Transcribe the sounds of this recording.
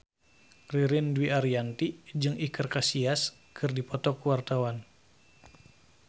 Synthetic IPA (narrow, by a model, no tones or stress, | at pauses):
riɾɪndwiaɾiant̪id͡ʒɨŋikɨrkasias | kʰɨrdipɔt̪ɔkuwart̪awan